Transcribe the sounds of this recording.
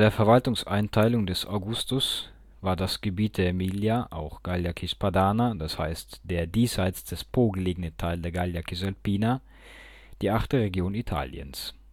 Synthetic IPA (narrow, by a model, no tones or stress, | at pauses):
d̥eːɐfɛɐvaltʊŋsʔaɪntʰaɪlʊŋdɛsʔa̰ʊɡʊstʊs | vaːɐdasɡ̥əbiːt̚d̥eɐmiljaʔa̰ʊxɡ̥aljakʰispadaːnad̥ashaɪstd̥eːɐdiːsaɪt͡sd̥ɛspʰoːɡəleːɡənətʰaɪldeːɐɡaljakʰizalpiːna | d̥iːʔaχtəʁeɡjoːnitʰa̰ːljə̰ns